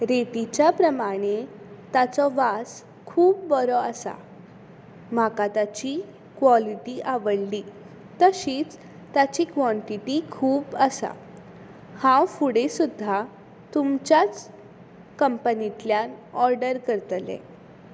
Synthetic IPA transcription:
ɾeʈit͡ɕjapɾəmaɽ̃e | t̪at͡sɔʋas | kʰuːp̚bɔɾɔasa̰ | m̤akat̪at͡ɕi | kʋɔliʈiʔaʋəɽli | t̪əɕiːt͡s | t̪at͡ɕiːkʋɔ̃ɳʈiʈikʰuːpəsa̰ | hãwfuɽesud̪ʱːa | t̪umt͡ɕjat͡s | kəmpənit̪ljanɔɾɖəɾkəɾt̪lɛ̰̃

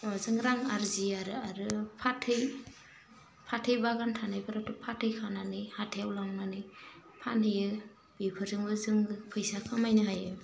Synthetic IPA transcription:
zɯŋɾaŋaɾziaɾaɾɯpʰatʰɯj | pʰatʰɯjbaɡantʰanajpʰɯɾatupʰatʰɯjkʰananihatʰejawlaŋnanɯ | pʰanhɯjɯ | b̥ipʰɯɾzɯŋbɯzɯŋpʰɯjsakʰɯmajnɯɦajɯ

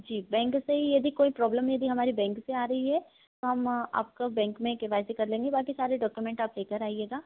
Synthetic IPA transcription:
d͡ʒiːbɛ̃ːŋkseɦijɐd̪ikoːipɾɔːbləmjɐd̪iɦɐmaːɾibɛ̃ːŋkseaːɾɐɦiɦɛː | t̪oɦɐma̰ːp̚kobɛ̃ːŋkmẽkeʋaːɪsekɐɾlẽːŋɡebaːkisaːɾeɖɔːkjumɛ̃ːɳʈaːpleːkəɾaːieːɡaː

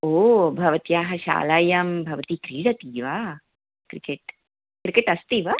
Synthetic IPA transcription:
oːbʱɐʋɐt̪ijaːɦɐʃa̰ːlɐjaːmbʱɐʋɐt̪ikɾiːɽɐt̪iːʋaː | kɾikeʈ | kɾikeʈɐst̪iːʋa

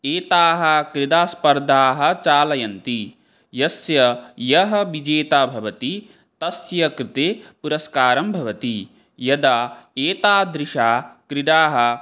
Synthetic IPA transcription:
eːt̪aːɦɐ̆kɾɪd̪aːspɐɾd̪ʱaːɦɐ̆t͡ʃaːlɐjɐnt̪i | jɐsjɐjɐɦɐ̆ʋid͡ʒeːt̪aːbʱɐʋɐt̪i | t̪ɐsjɐkɾɪt̪eːpuɾɐskaːɾɐmbʱɐʋɐt̪i | jɐd̪aːeːt̪aːd̪ɾɪʂaːkɾɪd̪aːɦɐ̆

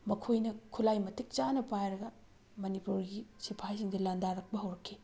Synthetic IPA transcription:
mɐkʰojnɐkʰulajmɐtik̚t͡ʃanɐpajɾɐɡɐ | mɐnipuɾɡisipʰajsiŋdɐlandaɾɐk̚bɐɦɐwɾɐkʰːi

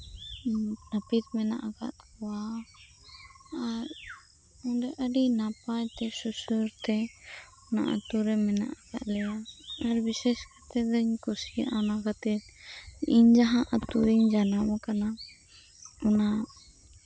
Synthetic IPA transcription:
nəpit̪mɛnaʔaɡa̰ʔkɔwa | ɾ | ɔnɖɛʔəɖinapajt̪ɛsusuɾt̪ɛ | ɔna̰ʔə̰t̪uɾɛmɛna̰ʔaɡa̰ʔlɛjaːɾbisɛskat̪ɛd̪əɲkusiʔanakat̪ɛt̪ | iɲd͡ʒaɦãʔət̪uɾiɲd͡ʒanamakana | ɔna

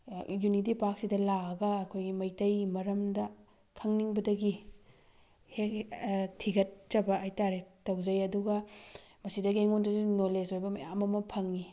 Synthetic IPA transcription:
junit̬ipak̚sidɐlaɐɡɐːkʰojɡimɐjtɐjmɐɾɐmdɐ | kʰɐŋniŋbɐdɐɡi | hek̚tʰːiɡɐt̚d͡ʒɐbɐːjtaɾetɐwd͡ʒɐjɐduɡɐmɐsidɐɡiŋondɐzunolesojbɐmɐjamɐmɐpʰɐŋi

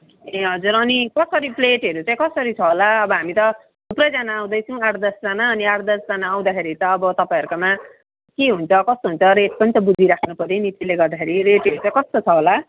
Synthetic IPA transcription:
eɦʌd͡zuɾʌnikʌsʌɾipleʈɦʌɾut͡sãĩkʌsʌɾit͡sʰʌɦolaʌbʌɦamit̪ʌ | d̪uprʌjd͡zanaːw̃d̪ʌjt͡sʰʌ̃w̃aʈd̪ʌsd͡zanaʌniaɽd̪ʌsd͡zanaːw̃d̪akʰeɾit̪ʌːbʌt̪ʌpaĩʌɾkoma | keɦunt͡sʰʌkʌst̪oɦunt͡sʰʌɾeʈ̚pʌnit̪ʌbud͡zʱiɾakʰnupʌɾenit̪ileɡʌrd̪akʰeɾiɾeʈʌɾut͡sãĩkʌst̪ot͡sʰʌɦola

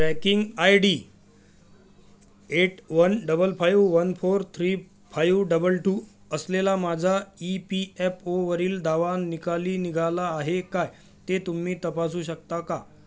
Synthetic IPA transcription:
ʈɾækiŋɡajɖiː | eʈʋənɖəbəlfajʋʋənfoɾt̪ʰɾiː | fajʋɖəbəlʈuːəslelamad͡zʱaipiepoʋəɾiːld̪ʱaʋanikaliːniɡʱalaːɦekaj | t̪et̪um̤iːt̪əpas̬uːɕək̚t̪aka

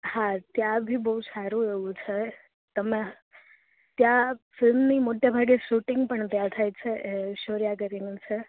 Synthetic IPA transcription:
hãt̪jãbʱibəɦusaɾũeʋũt͡ʃʰe | t̪əme | t̪jãfɪlmnimoʈjabʱaɡeʃuʈɪŋɡpəɳt̪jãt̪ʰajt͡ʃʰeʔeʃoɾjak̬əɾinũt͡ʃʰe

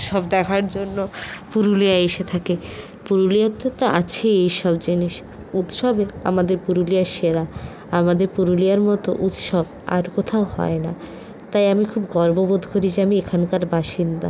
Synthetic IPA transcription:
ʃɔbd̪ɛkʰaɾd͡ʑonːopuɾuliaeʃet̪ʰake | puɾuliat̪ot̪oʔa̰t͡ɕʰeejʃɔbd͡ʑiniʃ | ut̪ʃɔbea̰mad̪eɾpuɾulijaʃeɾa | amad̪eɾpuɾulijaɾmɔt̪o̰ʔut̪ʃɔb | a̰ɾkot̪ʰaohɔ̰ena̰ | t̪ajamikʰubɡɔɾbobod̪ʱkoɾid͡ʑeamiekʰankaɾbaʃind̪a̰

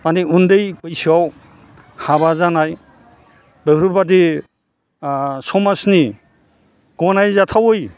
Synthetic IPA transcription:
maniundɯjbɯjsiaw | habazanaj | beɾubadi | sɔmasni | ɡ̥ɔnajzatʰawɯj

